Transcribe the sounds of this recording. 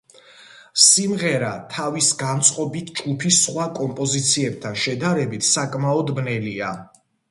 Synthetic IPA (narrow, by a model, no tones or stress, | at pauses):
simʁɛɾat̪ʰavisɡant̪sʼqʼɔbit̪ʰd͡ʒɡupʰisχwakʼɔmpʼɔzit̪sʰiɛb̚t̪ʰanʃɛd̪aɾɛbit̪ʰsakʼmaɔd̪bnɛlia